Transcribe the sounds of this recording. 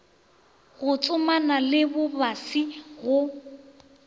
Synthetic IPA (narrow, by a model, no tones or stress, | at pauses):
ɣʊt͡sʼʊmanalɪbʊbasiɣʊ